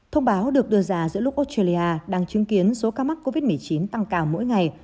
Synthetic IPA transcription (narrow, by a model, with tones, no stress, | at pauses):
t̪ʰə˧wŋ͡mɓaː˨˦wɗɨ˨˩ək̚ɗɨ˧əzaː˨˧˩zɨ̰˧˥əlʊ˦˥k͡p̚ʔo˦˥t̚ta˧li˧ʔaː˧ɗaː˧ŋt͡ɕɨ˨˦əŋki˨˦ənso˨˦kaː˨˧ma˦˥t̚ko˧vi˦˥t̚mɨ˨˩əjt͡ɕi˨˦nt̪a˧ŋkaː˨˩wmo̰˧˥jŋa˨˩j